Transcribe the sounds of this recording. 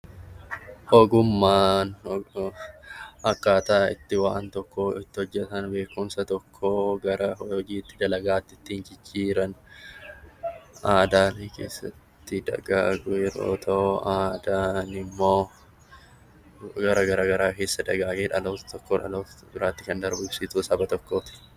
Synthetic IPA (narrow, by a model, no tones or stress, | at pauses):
hoɡʊmːaːn | hɐkːaːt̪aːɪ̰t̪ːɪwaːnt̪ɔkːoːɪt̪ːɪhɔd͡ʒːɛt̪ɐnbe̞ːkːʊmsɐt̪ɔkʰːoːɡɐɾɐɦɔhɔd͡ʒiːt̪ːɪd̪ɐlɐɡaːt̪ːɪt̪ːiːnd͡ʒɪt͡ʃːiːɾɐn | ʔaːd̪aːnkḛːsːɐt̪ːɪd̪ɐ̰ɡaːɡʊjɛɾo̰ːt̪ʰɐaːd̪aːnɪmːo̞ː | ɡɐɾɐɡɐɾaːɡɐɾaːke̞ːsːɐd̪ɐɡaːɡeːᶑɐloːt̪ɔkːoːᶑɐ̰loːbɪɾaːt̪ːɪkɐnd̪ɐɾbʊbsɪt̪uːsɐbɐt̪ɔkːoːt̪ɪ̥